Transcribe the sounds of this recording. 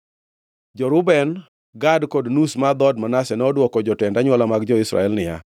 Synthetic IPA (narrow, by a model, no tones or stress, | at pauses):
d͡ʒɔɾʊbɛn | ɡadkodnusmad̪ɔdmanasɛnɔdwɔkɔd͡ʒɔtɛndaɲwɔlamaɡd͡ʒɔɪsɾa̰ɛlnɪja̰